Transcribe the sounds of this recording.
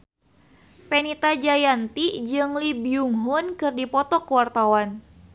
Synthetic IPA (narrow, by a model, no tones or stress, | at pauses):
pɛnit̪ad͡ʒajant̪id͡ʒɨŋlibiuŋɦʊnkɨrdipɔt̪ɔkəwart̪awan